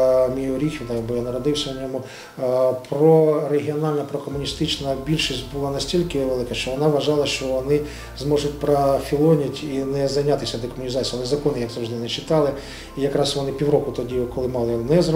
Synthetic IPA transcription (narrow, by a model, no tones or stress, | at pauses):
mʲijjuɾʲixʲʋʲid̪ɐjɐbɔjanɐɾɔd̪ɪwsʲɐnʲɔmʊ | pɾɔɾeɦʲiɔnɑlʲnɐpɾɔkɔmʊnʲist̪ɪt͡ʃnɐbʲilʲʃisʲtʲbʊlˠɑnɐsʲtʲilʲkɪʋelˠɪkɐʃt͡ʃɔʋɔnɑʋʋɐʒɑlˠɐʃt͡ʃɔʋɔnɪ | zmɔʒʊt̚ʲpɾɐfʲilˠɔnʲɪtʲinɛzɐjnʲɑt̪ɪsʲɐd̪ɔkɔmʊnʲizɑt͡sʲiːɐlˠɛzɐkɔnɪjaksɐwʒd̪ɛnɛt͡ʃɪt̪ɑlˠɪ | ijɐkɾɑsʋɔnɪpʲiwɾɔkʊt̪ɔdʲikɔlˠɪmɑlˠɪnɛzrɔ